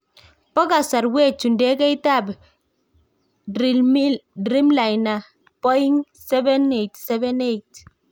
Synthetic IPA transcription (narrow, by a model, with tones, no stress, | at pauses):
pɔ˦ka˨sa˨ɾwɛ˦t͡ʃu˨ndɛ˦kɛ˦i˦ta˦˨b | imidɾi˦mla˨jna˨ | pɔ˦i˦ŋ | sɛ˦vɛ˦netsɛ˦vɛ˦ne˦jt